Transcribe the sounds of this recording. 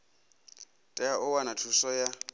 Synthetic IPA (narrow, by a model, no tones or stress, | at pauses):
tʼɛaʔʊwanatʰusɔja